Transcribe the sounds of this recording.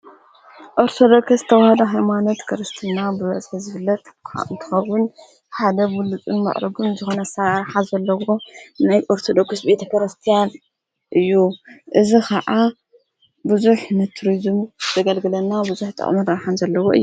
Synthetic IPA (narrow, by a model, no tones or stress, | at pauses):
ʔo̞ɾt̪ʰod̪o̞kɨɨ̥t̪ʰɐwahɐd̪ɐɦajmano̞t̪kʰɐɾɐst̪ʰinabɨβɐz̥ħizɨβɨlːɐt̪kɨnt̪ʰɨ̥xɐwʊn | ħad̪ɐwulut͡sʼɨnmɐ̰ʔɾɐɡumzɨxonɐsaɾħazɐlːɐwo̞najʔo̞ɾt̪ʰo̞d̪okɨsbe̞t̪ʰɐkʰɐɾɐst̪ʰijan | ʔɨjːuʔɨzikʰɐʕa | bɨzuħnɨt̪ʰuɾizmz̥ɐɡɐlɡɨlɐnːabɨzuħt̪ʼɐ̰χʼmɨɾɐɾħanzɐlːɐwoʔɨ̰jːu